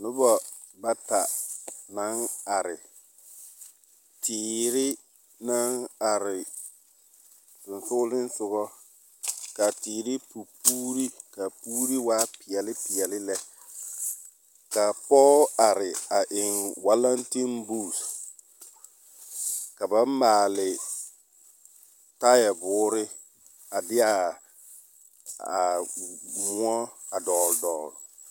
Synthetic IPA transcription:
nʊ˦bɔ˨ | ba˦ta˨na˨˦ŋa˨ɾɪ˨ | tʰiː˨ɾɪ˦ | na˦ŋa˨ɾɪ˨ | tʊ˨nsʊ˦lɪ˦n˦sʊ˨ɣɔ˦ | ka˨tiː˨ɾɪ˦pu˨puː˦ɾi˦ka˨puː˦ɾi˦waː˦pɪ˨ɛ˨lɪ˦pɪ˨ɛ˨lɪ˦lɛ˦ | ka˨pɔ˦a˨ɾɪ˨a˨ʔɪ˨ŋwa˦la˦nti˦nbu˦˨s | ka˨ba˦m˦maː˨lɪ˨ | ta˦jɛ˨bʊː˨˦ɾɪ˦ | a˨dɪ˦a˨ | a˨ | mʊ˦ɔ˦a˨dɔː˨ldɔː˨l

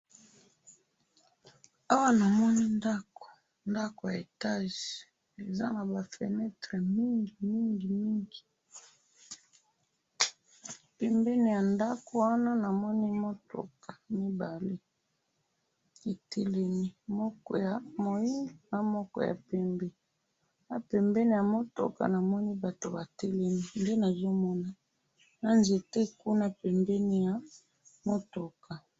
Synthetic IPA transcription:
a˦wa˦na˨mɔ˦ni˦nda˦ko̥˨ | nda˦ko˨ja˨e˨ta˦ʒi˨ | e˨za˦na˨ba˨fɛ̰˨nɛ˦tʁɛ˨mi˦ŋɡi˨mi˦ŋɡi˨mi˦ŋɡi˨ | pɛ˨mbe˦ni˨ja˨nda˦ko˨wa˦na˦na˨mɔ˦ni˦mo˦to̰˨kḁ˨mi˦ba˨le˦ | e˨tʰe˦le˦ni˨mɔ˦kɔ̰˨ja˨mo˨ji˦na˨mɔ˦kɔ̰˨ja̰˨pɛ˦mbɛ˨ | na˨pɛ˨mbɛ˦ni˦˨ja˨mo˦to̰˨ka̰˨na˨mɔ˦ni˦ba˨to˨ba˨te˦le˦ni˦˨nde˦na˨zo˦mɔ˦na˨ | na˦nze˨te˦˨ku˦na˦pɛ˨mbɛ˦ni˦ja˨ | mo˦to˨kʰa˨

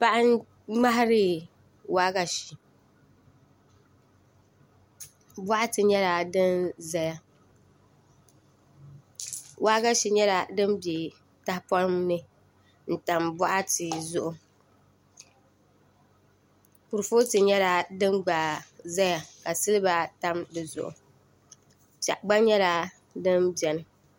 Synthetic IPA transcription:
pa˦ʔa˦ | ŋ͡ma˦ɦa˦ɾɨ˦ | waː˦ɡa˦ʃi˨ | bɔ˦ʔa˦tɨ˨ɲɛ˦ɾa˨dɨ˦nza˦ja˦ | wʔaː˦ɡa˦ʃi˨ɲɛ˦la˨dɨ˦mbje˨ | ta˦hpɔ˦ɾɨ˦mnɨ˦ | n̩˨ta˨mbɔ˦ʔa˦tɨ˨zʊ˨ʔʊ˨ | pu˨ɾɨ˨fo˦tɨ˨ɲɛ˦la˨dɨ˦mɡ͡baː˨za˦ja˨ka˨sɨ˦lɨ˦ba˦ta˦mdɨ˨zʊ̰˨ʔʊ̰˨ | t͡ʃa̰˨ʔɡ͡ba˦ɲɛ˦la˨ | dɨ˦mbɛ˨nɨ˨

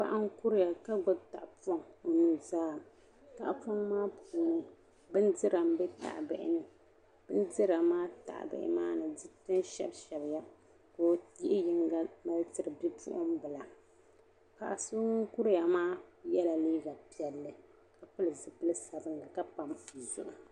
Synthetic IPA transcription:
pa̰˨ʔa˦ŋku˦ɾɨ˦ja˨ka˦ɡʊ˦ta̰˨ʔpo˦ŋo˨nu˦zaː˦ | ta̰˨ʔfɔ˦ŋmaː˦pʰuː˨˦nɨ˦ | bɨ˦ndɨ˦ɾa˨mbɛ˦ta̰˨ʔbɛ̰˨ʔɪ̰˨nɨ˨ | b̥ɨ˦n˦dɨ˦ɾa˨maː˦ta̰˨ʔbɛ̰˨ʔɪ̰˦ma̰ː˦nɨ˨dɨ˦tɨ˦nʃɛ̰˦bʃɛ˨bja˦ | koː˨˦ji˦ʔɪ˦jɪ˦ŋɡa˦ma˦ltɨ˨ɾɨ˨bi˦pṵ˦ʔʊ˦mbɨ˨la˨ | ka̰˨ʔa˨so˦ŋ˦ku˦ɾɨ˦ja˨maː˦jɛ˦la˨liː˦ɡa˨pi˦˨ɛ˨lːɨ˦ | ka˨pʊ˦lɨ˨zɨ˦pɨ˦lɨ˦sa˨bɨ˦nlɨ˨ka˦pa˨mu˨zʊ̰˦ʔʊ˨

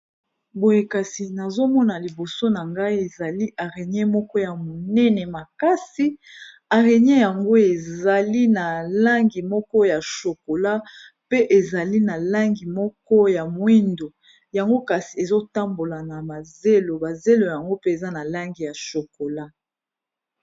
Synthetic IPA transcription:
bo˨je˨ka˨si˨na˨zo˦mɔ˦na˨li˨bo˨so˦na˨ŋɡa˦i˦e˨za˨li˦ʔa˨ʁe˨ɲ˦ɛ˦mɔ˦kɔ˦ja˨mo˨nɛ˦nɛ˨ma˨ka˦si˨ | a˨ʁe˨ɲ˦ɛ˦ja˨ŋɡo˦e˨za˨li˦na˨la˦ŋɡi˨mɔ˦kɔ˦ja˨ʃo˨ko˨la˦ | pe˦ʔe˨za˨li˦na˨la˦ŋɡi˨mɔ˦kɔ˦ja˨mwi˦ndo˨ | ja˨ŋɡo˦ka˨si˨e˨zo˦ta˦mbo˨la˨na˨ma˨ze˦lo˨ba˨ze˦lo˨ja˨ŋɡo˦pe˦e˨za˦na˨la˦ŋɡi˨ja˨ʃo˨ko˨la˦

